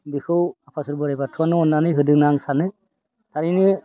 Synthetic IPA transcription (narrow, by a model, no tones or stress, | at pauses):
bikʰɯwapʰasuɾbɯɾajbatʰuanɔɔnːanɯjɦɯdɯŋnaŋsanɯ | tʰaɾinɯ